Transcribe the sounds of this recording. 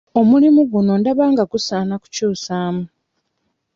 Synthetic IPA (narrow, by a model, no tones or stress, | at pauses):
o̞mulimuɡuno̞ndaβaːŋɡaɡusaːnaku̥cuːsaːmu